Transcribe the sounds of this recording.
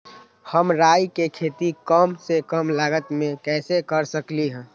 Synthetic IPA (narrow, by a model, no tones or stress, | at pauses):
həmɾaːjkekʰeːt̪ikəmsekəmlaːɡət̪mẽkɛːsekəɾsəkliɦɛ̃ː